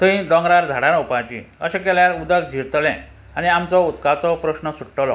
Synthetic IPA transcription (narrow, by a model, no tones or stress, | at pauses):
t̪əĩd̪ɔ̃ŋɡɾaɾd͡zʱaɽanupat͡ɕḭ̃ə̰ɕẽkɛljaɾud̪əkd͡ʑʱiɾt̪lɛ̃ | aniamt͡sɔut̪kat͡sɔpɾəɕnəsuʈːəlɔ̰